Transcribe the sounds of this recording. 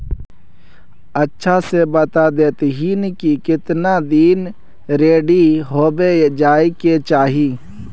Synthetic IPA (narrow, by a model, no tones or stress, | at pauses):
ɐtːʃʰasebət̪ad̪eːt̪ɦinkikɪt̪nad̪iːn | ɾeːɖiɦoːbed͡ʒaːiket͡ʃaːɦiː